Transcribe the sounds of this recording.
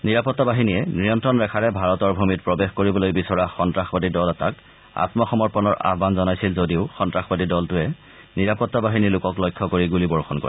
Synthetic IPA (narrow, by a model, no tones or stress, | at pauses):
niɹapɔtːabaɦiniɛnɹijɔntɹɔnɹɛkʰaɹɛbʱaɹɔtɔɹbʱumit̚pɹɔbexkoɹibɔlojbisɔɹaxɔntɹaxbadidɔlɛtak | a̰tmɔxɔmɔɹpɔnɔɹʔa̰ɦbanzɔnajsilzodiʊxɔntɹaxbadidɔltʊɛ | niɹapɔtːabaɦinilʊkɔklɔjkʰːɔkoɹiɡulibɔɹxɔnkɔ̰ɹɛ